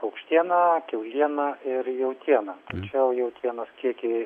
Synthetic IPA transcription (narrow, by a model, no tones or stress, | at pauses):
ɐʊkʃʲt̪ʲiɛnɐkʲɛʊlʲiɛnɐɪrjɛʊt̪ʲiɛnɐːt̪ɐt͡ʃʲɛʊjɛʊt̪ʲiɛnɐskʲiɛkʲɪ